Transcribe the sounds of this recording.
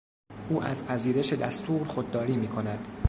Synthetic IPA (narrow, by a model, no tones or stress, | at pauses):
ʔuːʔæ̰zpʰæziːɾe̞ʃe̞d̪æst̪ʰuːɾxod̪̚ːɒːɾiːmiːkʰo̞næd̪̥